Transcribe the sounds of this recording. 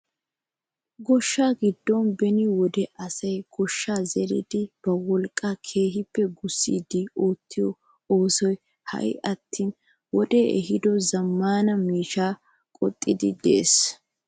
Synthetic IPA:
ɡɔʃːaːɡɪd̪ːɔnbɛnɪwɔd̪ɛʔɐsɐjɡ̥ɔʃːaːzɛɾɪ̰d̪ɪb̥ɐwɔlkʼːakʰe̞ːɦɪpːɛɡʊsːḭːd̪ɪoːt̪ːɪjɔ | oːsɔj | hɐ̰j̰ʔɐt̪ːiːn | wɔd̪eɛ̰ɦɪd̪ɔzɐmːaːnɐmiːʃaː | kʼɔt̪ʼːɪd̪ɪd̪e̞̰ːs

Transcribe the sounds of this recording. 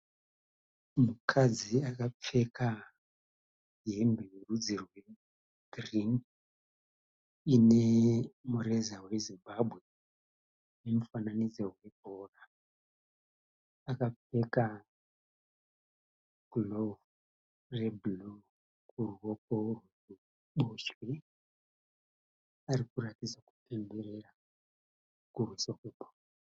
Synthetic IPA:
mukʰad͡ziakap͡feka | ɦembeurud͡zirwe | driŋ | inemuɾezawe̞zimbabʱwe̞ | nemufananid͡zoɦwe̞bʱoːra | akape̞ka | ɡ̥ulovu | reblo | kuruwokorwu | u | ɓoʃwi | aɾikuɾatid͡zaku̥pe̞mbe̞rera | kurwisokebʱor

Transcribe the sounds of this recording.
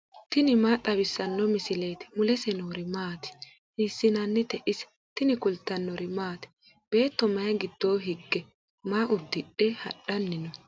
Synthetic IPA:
t̪ɪnɪmaːt̪ʼɐβɪsːɐnːɔmɪsɪle̞ːt̪ɛ̥mʊlɛsɛnoːɾɪmaːt̪ɛ̥ | hiːsːɪnɐnːɪt̪ɛʔɪsɛ̥ | t̪ɪnɪkʊlt̪ːɐnːɔɾɪmaːt̪ɛ̥ | b̥e̞ːt̪ːɔmɐjɐɡɪd̪̥ːoːɦɪɡːɛ | maːʔʊd̪ːɪɗɛhɐ̰ɗɐnːɪnɔ

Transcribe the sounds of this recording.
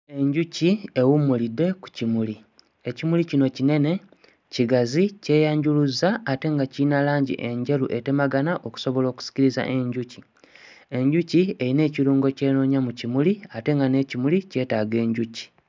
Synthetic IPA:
e̞ɲɟuciewumulidːe̞ku̥cimuli | e̞cimulicino̞cine̞ne̞ | ciɡazice̞ːjaːɲɟuluzaːte̞ŋɡacinalaːɲɟḭʔe̞ɲɟe̞lṵʔe̞te̞maɡanaʔo̞ku̥so̞βo̞lo̞ːku̥si̥ciɾiza̰ʔe̞ɲɟuci | e̞ɲɟucie̞ɾine̞ːciɾuːŋɡo̞ce̞ːno̞ɲamucimuliate̞ŋɡane̞cimulice̞ːtaːɡe̞ːɲɟuci̥

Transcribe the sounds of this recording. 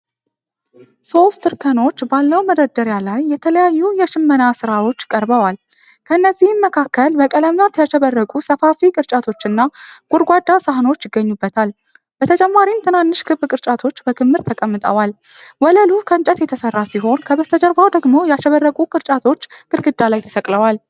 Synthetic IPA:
so̞st̪ʰːɨɾkʰəno̞t͡ʃːbalːəwməd̪əd̪əɾjalajːɛt̪ʰələjajːujɛʃɪmːənasɨɾawo̞t͡ʃːkʼəɾbəwal | kʰəɨnːəzːihmməkʰakːəlbəkʼələmjat̪jaʃɛβərːəkʼusəfafikʼɨɾt͡ʃʼat̪ʰo̞t͡ʃːɨnːaɡ̥ʼuɾɡʷad̪ːasəɦno̞t͡ʃːjɪɡːəɲːubːət̪ʰal | bət̪ʰət͡ʃʼɛmːaɾimt̪ʰɨnanːɨʃkʰɨbːkʼɨɾt͡ʃʼat̪ʰo̞t͡ʃːbəkʰɨmːɨɾt̪ʰəkʼəmːɨt̪ʼə̰wal | wɔləlukʰəɨnt͡ʃʼət̪jɛt̪ʰəsərːasiɦo̞nkʰəbəst̪ʰəd͡ʒəɾbawd̪əɡmo̞jɛaʃəβərːəkʼukʼɨɾt͡ʃʼat̪ʰo̞t͡ʃːɡ̥ɨɾɡɨd̪ːalajt̪ʰə̥səkʼləwal

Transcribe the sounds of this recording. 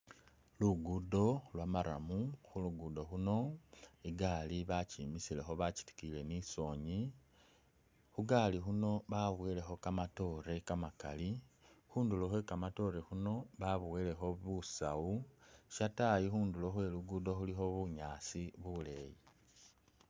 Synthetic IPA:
luɡudo̞lwamaɾa̰muxuluɡudo̞xuno̞iɡaliβacimisile̞xo̞βaci̥ti̥kile̞niso̞ɲi | xuɡalixuno̞βaβwele̞xo̞kamato̞ɾe̞kamaka̰lixuːndulo̞xwe̞kamato̞ɾe̞xuno̞βaβuwele̞xo̞βusawuʃatajixuːndulo̞xwe̞luɡudo̞xulixo̞βuɲaːsiβule̞ːji

